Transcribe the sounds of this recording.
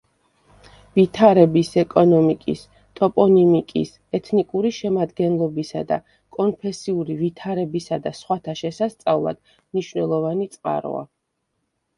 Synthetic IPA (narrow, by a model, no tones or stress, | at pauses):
vit̪ʰaɾɛbisɛkʼɔnɔmikʼis | t̪ʼɔpʼɔnimikʼḭs | ɛt̪ʰnikʼuɾiʃɛmad̪ɡɛnlˠɔbisa̰d̪a̰ | kʼɔnpʰɛsiuɾivit̪ʰaɾɛbisad̪asχwat̪ʰaʃɛsast̪sʼavlˠa̰d̪̥ | mniʃvnɛlˠɔvanit̪sʼqʼa̰ɾɔ̰a̰